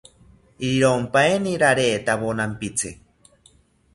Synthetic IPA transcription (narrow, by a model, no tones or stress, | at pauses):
iɾiɾompaeniɾaɾeːt̪aβonampit͡sʰe